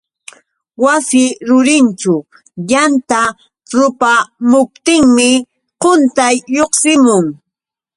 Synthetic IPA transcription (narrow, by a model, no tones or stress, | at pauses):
wasɪɾʊɾɪnt͡ʃʊ | jant̪a | ɾʊpamʊp̚t̪ɪŋmɪ | qʊnt̪ajːoχsɪmʊŋ